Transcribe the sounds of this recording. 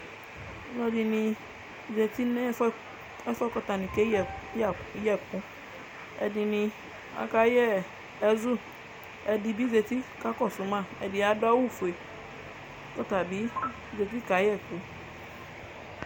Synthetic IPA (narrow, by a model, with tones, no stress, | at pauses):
nɔ̃˨di˨nĩ˨ | ze˨t̪i˦n˦ | ɛ˦fɛ˦kɔ˨t̪a˨nĩ˨ke˦˨˦ | jɛ˦˨kũ˦ | ɛ̰˨di˨nĩ˨ | a̰˨ka˦jɛ˦ | ɛ˨zu˦ | ɛ˨di˨bi˦ze˨t̪i˦ka˦kɔ˦˨su˨˦mã˦˨ɛ˨di˨a˨da˦wu˦fu˨e˨˦ | kɔ˦t̪a˨bi˨˦ | ze˨t̪i˦ka˨˦jɛ˦˨ku˨